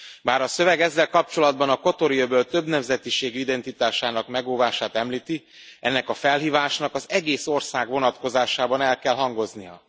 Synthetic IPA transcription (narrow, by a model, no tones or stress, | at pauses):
baːɾɒsø̞vɛɡɛzːɛlkɒp̚t͡ʃo̞lɒd̪bɒnɒko̞t̪oɾiobøːlt̪ø̞bnɛmzɛt̪iʃeːɡyid̪ɛnt̪it̪aːʃaːnɒkmɛɡoːvaːʃaːt̪ɛmliːt̪i | ɛnːɛkɒfɛlɦiːvaːʃnɒkɒzɛɡeːso̞rsaːɡʋo̞nɒt̪ko̞zaːʃaːbɒnɛlkɛlɦɒŋɡo̞znijɒ̰